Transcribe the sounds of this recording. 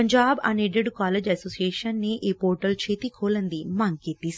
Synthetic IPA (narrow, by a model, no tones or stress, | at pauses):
ɐɲd͡ʒaːbɐ̰neːɖeɖkaːleːd͡ʒɐsoːsijeːʃɐnːiʔeːpoːɾʈɐlt͡ʃeːt̪ikʰoːlɐnd̪imaːŋkeːt̪is